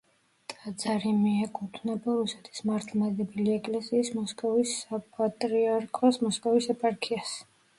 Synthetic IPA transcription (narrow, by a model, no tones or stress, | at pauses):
t̪ʼad̪zaɾimiɛkʼut̪ʰnɛbaɾusɛt̪ʰi̥smaɾt̪ʰlˠmad̪ɛbiliɛkʼlɛsiːsmɔskʼɔvisapʼat̪ʼɾiaɾkʰɔsmɔskʼɔvisɛpʼaɾkʰias